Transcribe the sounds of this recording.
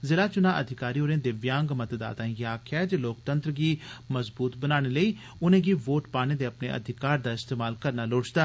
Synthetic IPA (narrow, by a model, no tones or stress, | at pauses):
zɪlaːt͡ʃʊnãːʔəd̪ʱɪkaːɾiːoːɾẽːd̪eːʋɪjãːŋɡmət̪d̪a̰ːt̪ãːjaːkʰɛːd͡ʒloːkt̪ənt̪ɾɡiːməzbuːt̪bənaːɽ̃eːləiː | ʊnẽːɡiːʋoːʈpaːñẽːd̪eːəpnḛːʔə̰d̪ʱɪkaːɾd̪aːɪst̪eːmaːlkəɾnaːloːt͡ʃd̪aː